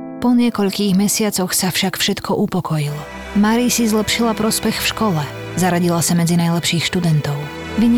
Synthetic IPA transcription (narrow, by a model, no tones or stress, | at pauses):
pɔɲɪɛkɔʎkiːɣmɛsɪat͡sɔxsafʃakfʃɛt̪kʰɔʔupɔkɔjilɔ | maɾisizlɛpʃilapɾɔspɛxfʃkɔlɛ | zaɾaɟilasamɛd͡zinajlɛpʃiːxʃt̪ud̪ɛnt̪ɔʊ | ʋiɲ